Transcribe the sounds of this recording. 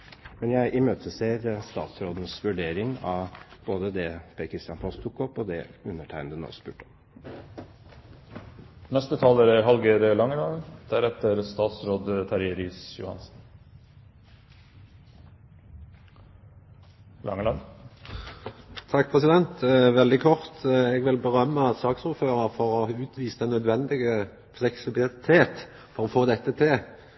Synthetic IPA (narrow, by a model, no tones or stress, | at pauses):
mɛnjæɪʔɪmøːt̪ʰəseːɾst̪ɑ̰ːt̪sɾoːd̪n̩sʋʉɖeːɾɪŋɑʋb̥oːd̪əd̪ɛpʰeːkʰɾɪst̪jɑnpʰɔst̪ʰukɔpɔd̪ɛʉnːəʈʰæɪnd̪əno̰ːspʉ̰ːʈɔm | nɛst̪ət̪ʰɑːləɾəɦɑlɡəɾlɑŋəlɑnd̪̥æɾɛt̪əɾst̪ɑːt̪sɾoːd̪t̪ʰæɾɪɾiːsjʊ̰hɑ̰nsn̩ | lɑ̰ŋəlɑn | t̪ʰɑk̚ːpʰʁɛsɪd̪ɛnt̪ʋɛld̪ɪkʰɔʁt̪ɛːɡʋɪlbəʁœmːəsɑːksuːʁføːʁəʁfɔʁoʉːt̪ʰʋiːsənœd̪ʋɛnd̪ɪɡə | flɛksɪbɪlt̪ʰeːt̪ | fɔʁoːfoːd̪ɛt̪ːət̪ʰɪ